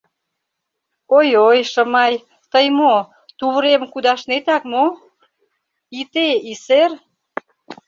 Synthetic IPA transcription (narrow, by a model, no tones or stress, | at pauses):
ojojʃə̆mɑj | t̪əjmo | t̪uβəɾemkud̪ɑʃnet̪ɑkmo | it̪eiser